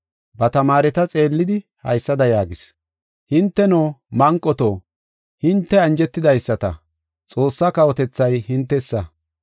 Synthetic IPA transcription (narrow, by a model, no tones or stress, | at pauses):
bɐt̪ɐmaːɾɛt̪ɐt͡sʼe̞ːlːɪd̪ɪhɐ̰jsːɐd̪ɐjaːɡɪs | hɪnt̪ːɛnoːmɐŋkʼːɔt̪oː | hɪnt̪ːɛɐnd͡ʒɛt̪ːɪd̪ɐjsːɐt̪ɐ̰ | t͡sʼo̞ːsːakɐwɔt̪ɛt͡sːɐjhɪnt̪ːɛsːɐ